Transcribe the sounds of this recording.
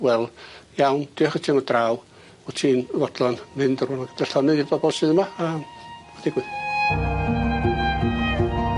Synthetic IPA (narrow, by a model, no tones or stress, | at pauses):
wɛlˠjawnd̥ɨaχətʰiːnɔdraːw | ɔtʰiːnvɔd̥lˠɔnmɪndərʊnaɡəd̥ɛɬɔnɨibɔbɔlˠsɨːðəmaː | d̥ɪɡwɨð